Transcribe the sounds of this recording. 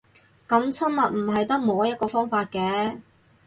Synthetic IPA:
kɐ˨˧˥mt͡sʰɐ˥nmɐ˨t̚m̩˨˩ɦɐ˨jt̪ɐ˥k̚moː˨˥jɐ˥t̚kɔː˧fɔː˥ŋfaː˧t̚kɛː˧˥

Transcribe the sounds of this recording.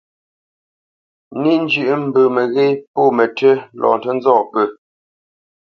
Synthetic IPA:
ni˦n˦d͡ʒʉ˦˨ʔm̩˨bə˨mə˨ɣe˦jpo˦˨mə˨tʰə˦lʔɔ̰ː˨n˨tə˦n˦zɔː˦˨pə˨

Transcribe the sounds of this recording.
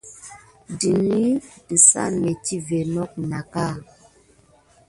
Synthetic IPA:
di˨ni˦dɨ˨sa̰˦mɛ˨ti˦ve˨nɔ˦k̚na˨ka˦˨

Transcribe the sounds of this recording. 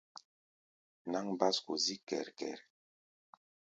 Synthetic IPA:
na˦ŋba˦sku˨zi˦kɛ̰˨ɾkɛ̰˨ɾ

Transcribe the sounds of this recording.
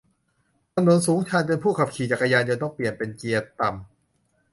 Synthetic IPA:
t̪a˧mnu˨˩˦nsuː˩˦ŋt͡ɕʰaː˧npe˧npʰuː˥˩kʰa˨˩p̚kʰiː˨˩t͡ɕa˨˩kːa˧jaː˧nt͡ɕaː˧t̪ɔː˥˩ŋpli˨˩ənpe˧nt͡ɕi˧ət̪a˨˩m

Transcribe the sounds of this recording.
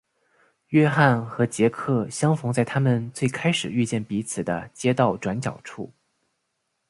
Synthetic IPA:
ɥɛ˥xa˥˩nxɤ˧˥t͡ɕjɛ˧˥kʰɤ˥˩ɕjɑ˥ŋfʊ˧˥ŋt͡sa˥˩ɪt̪ʰa˥mə˨nt͡swe˥˩ɪkʰa˥ɪʂɻ̩˨˩y˥˧t͡ɕjɛ˥˩npi˧˥t͡sʰɹ̩˨˩d̪ə˦t͡ɕjɛ˥t̪ɑ˥˩ʊʈ͡ʂwa˧˥nt͡ɕjɑ̰˨˩ʊʈ͡ʂʰṵ˥˩

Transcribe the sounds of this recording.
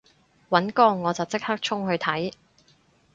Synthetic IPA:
wɐ˨˥nkɔː˧ŋɔː˨˧t͡sɐ˨wt͡sɪ˥k̚haː˥k̚t͡ʃʰʊ˥ŋhɵ˧ɥt̪ʰɐ˨˥j

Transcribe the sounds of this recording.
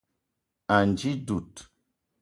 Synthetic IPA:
a˨nd͡ʒi˦du˨t

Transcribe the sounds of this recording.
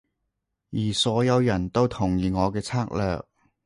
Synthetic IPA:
jiː˨˩sɔː˨˥jɐ˨˧wjɐ˨˩nt̪o˥wt̪ʰʊ˨˩ŋjiː˨ŋɔː˨˧kɛː˧t͡sʰaː˥k̚lœː˨˧k̚

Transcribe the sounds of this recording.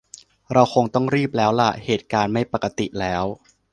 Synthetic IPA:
ɾa˧wxʰo˧ŋt̪ɔ˥˩ŋɾiː˥˩p̚lɛː˦˥wla̰˧˩heː˨˩t̪̚kaː˧nma˥˩jpa˨˩ka˧t̪i˨˩lɛː˦˥w

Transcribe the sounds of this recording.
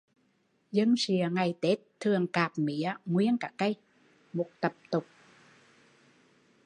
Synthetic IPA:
zə˧ŋsi˨əŋa˨˩jt̪e˦˥t̚t̪ʰːɨ˨˩əŋkaː˨˩p̚mi˧˨˦əŋwi˧ənkaː˧˩kə˧j | mo˨˩t̚t̪ə˨˩p̚t̪ʊ˨˩k͡p̚

